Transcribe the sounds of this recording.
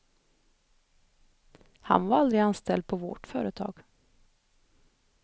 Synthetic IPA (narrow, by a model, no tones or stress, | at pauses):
ha̰nvaɾald̪ɾɪɡanst̪ʰɛld̪̚pʰɔvɔ̰ʈfœːɾət̪ʰɑ̰ːɡ̥